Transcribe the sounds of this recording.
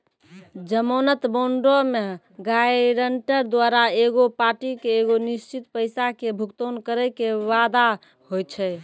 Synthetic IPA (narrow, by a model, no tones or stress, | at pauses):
d͡ʒəmonət̪boɳɖome | ɡajɾəɳʈəɾd̪waɾaeɡopaʈikeːɡonist͡ʃit̪pəjsakebʱukt̪onkəɾəkeʋad̪a | hojt͡ʃʰɛ